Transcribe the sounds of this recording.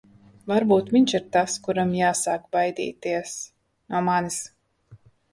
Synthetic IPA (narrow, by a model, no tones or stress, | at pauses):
vaɾbuːt̪miɲʲt͡ʃiɾt̪askuɾamjaːsaːkbajd̪ḭːt̪iɛs | numanis